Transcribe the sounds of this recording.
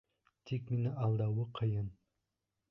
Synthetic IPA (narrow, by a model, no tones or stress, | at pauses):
t̪ʰikminɪʔɑlˠd̪ɑwəqʰəjɤn